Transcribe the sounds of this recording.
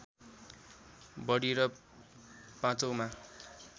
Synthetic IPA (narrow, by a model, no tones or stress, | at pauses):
bʌɽiɾʌ | pãt͡sʌwma